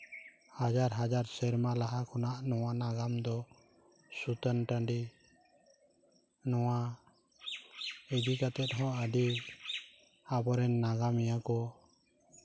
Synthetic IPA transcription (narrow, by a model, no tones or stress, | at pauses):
had͡ʒaɾɦad͡ʒaɾsɛɾmalaɦakɔnaʔnɔwanaɡamd̪ɔ | sut̪ənʈaɳɖi | nɔwa | ɛd͡ʒ̪ikat̪ɛt̪̚ɦɔ̃əɖi | abɔɾɛnːaɡamijakɔ